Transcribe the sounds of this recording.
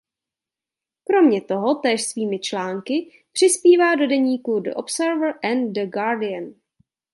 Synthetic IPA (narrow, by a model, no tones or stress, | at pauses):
kɾo̞mɲɛt̪o̞ɦo̞t̪ɛːʃsviːmɪt͡ʃlaːŋkɪ | pr̥ɪspiːvaːdo̞dɛɲiːkudo̰ʔopsɛɾvɾʔɛndəɡaːɾdɪən